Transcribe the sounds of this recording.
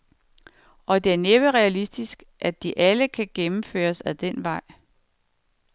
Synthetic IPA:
ʔɒ̽d̥e̝æɐneb̥əʁɛælisd̥isɡ̥ | ʔæd̥iʔæləkʰæɡ̥emm̩fø̰ːɐsæd̥enʋɑ̈ɪ̰

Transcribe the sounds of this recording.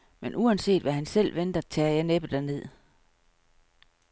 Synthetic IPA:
menʔuænse̝̰ːd̥ʋæɦænsel̰ʋend̥ɐt͡sʰɛːɐjɑneb̥əd̥æɐne̝ð̰ˠ

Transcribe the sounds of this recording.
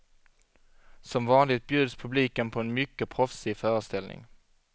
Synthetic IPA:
sɔmvɑːnlɪɡt̪̚bjʉ̟ːd̪spʰɵbliːkənpʰɔɛnmʏkːəpʰɾɔfsiːfœːɾəst̪ɛlnɪ̰ŋ

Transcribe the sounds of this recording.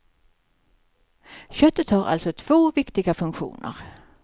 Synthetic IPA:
ɕœt̪ːət̪haɾʔa̰lt̪sɔt̪ʰv̥oːvɪkt̪ɪɡafɵŋkɧṵːnə̰ɾ

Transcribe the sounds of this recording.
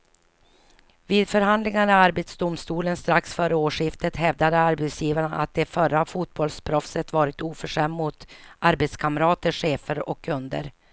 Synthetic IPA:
viːd̪fœɾɦand̪lɪŋaɳɛaɾbɛt̪sd̪ʊmst̪uːlənst̪ɾaksfœːɾəoːʂɪft̪ət̪ɦɛvd̪ad̪əaɾbɛt̪sjiːvaɳʔa̰t̪̚d̪ɛfœɾafuːt̪̚bɔlspʰɾɔfsət̪vɑːɾɪt̪uːfœʂɛmːmʊt̪ʔaɾbɛt̪skʰaməɾɑːt̪əʂeːfəɾɔ̰kʰːɵnd̪ə̰ɾ

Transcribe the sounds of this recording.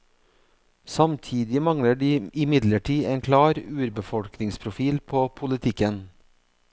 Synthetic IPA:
sɑmt̪ʰiːd̪ɪmɑŋɽəɖiːɪmɪd̪ləʈʰiːeːŋkʰlɑːɾʉːɾbəfɔɽknɪŋspʰɾʊfiːlpʰoːpʰʊlɪt̪ʰɪkən

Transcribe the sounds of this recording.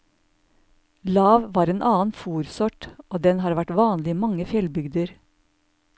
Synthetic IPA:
lɑːʋʋɑːɾeːnʔɑːn̩fuːɾsɔʈʔoːd̪ɛnhɑːɾʋæʈʋɑːnlɪmɑŋəfjɛlbʏɡd̪əɾ

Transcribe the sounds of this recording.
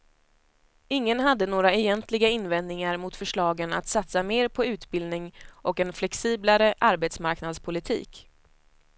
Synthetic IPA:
ɪŋːənɦad̪ːənoːɾaɛjɛnt̪lɪɡaɪnvɛnd̪nɪŋaɾmʊt̪fœʂɭɑːɡəna̰t̪sat̪sameːɾpʰɔʉ̟ːt̪bɪld̪nɪŋʔɔkɛnflɛksiːblaɾəʔaɾbeːt̪smaɾknad̪spʰʊlɪt̪ʰḭːk

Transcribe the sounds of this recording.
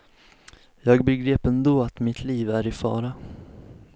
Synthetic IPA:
jɑːɡbɛɡɾeːpɛnd̪oːat̪mɪt̪ʰliːvæɾɪfɑ̰ːɾa

